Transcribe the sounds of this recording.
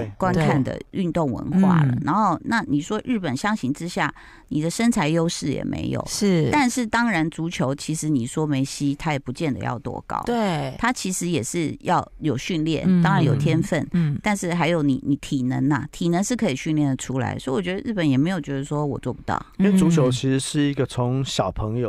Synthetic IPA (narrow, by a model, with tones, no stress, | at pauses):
kwa˥˦nkʰa˥˩nd̪ə̰˨y˥˧nt̪o˥˩ŋwə̰˧˦nxwa̰˥˩lə̰˩na˧˥nxo˥˧ʊna˥˨ni˨˩ʂwɔ˥ɻɻ̩˥˩pə˨˩nɕjɑ˥ŋɕi˧˥ŋʈ͡ʂɻ̩˥ɕja˥˩ | ni˨˩d̪ə˦ʂə˥nt͡sʰa˧˥ɪjo˥ʊʂɻ̩˥˩jɛ̰˨˩mʔḛ˧˥ɪjo̰˨˩˦ʊʂɻ̩˥˩t̪a˥˧nʂɻ̩˥˩t̪ɑ˥ŋɻa˧˥nt͡su˧˥t͡ɕʰjo˧˥ʊt͡ɕʰi˧˥ʂɻ̩˧˥ni˨˩ʂwɔ˥me˧˥ɪɕi˥t̪ʰa˥jɛ˨˩pu˧˥t͡ɕjɛ˥˩nd̪ə̰˩jɑ̰˥˧ʊt̪wɔ̰˥˧kɑ̰˥˩ʊt̪e˥˩t̪ʰa˥t͡ɕʰi˧˥ʂɻ̩˧˥jɛ˨˩ʂɻ̩˥˧jɑ˥˩ʊjo˨˩ʊɕy˥˧nljɛ̰˥˩nt̪ɑ˥ŋɻa˧˦njo˨˩ʊt̪ʰjɛ˥nfə˥˩n˩t̪a˥˧nʂɻ̩˥˩xa˧˥ɪjo˧˥ʊni˨˩˦ni˨˧˩t̪ʰi˨˩nə̰˧˦nɐ˨t̪ʰi˨˩nə˧˥nʂɻ̩˥˩kʰɤ˧˥i˨˩ɕy˥˧nljɛ˥˩nd̪ə˩ʈ͡ʂʰu˥la̰˧˥ɪswɔ˧˥i˨wɔ˨˩t͡ɕɥɛ˧d̪ə˧ɻ̩˥˩pə˨˦njɛ˨˩me˧˥ɪjo˨˩t͡ɕɥɛ˧˥d̪ə˧ʂwɔ˥wɔ̰˨˩t͡swɔ˥˩pu˧˥t̪ɑ̰˥˩ʊi˥we˥˩t͡su˧˥t͡ɕʰjo˧˥ʊt͡ɕʰi˧˥ʂɻ̩˧˦ʂɻ̩˥˩i˧˥ɡə˧t͡sʰo˧˦ŋɕjɑ˨˩ʊpʰɤ˧˥ŋjo˨˧ʊ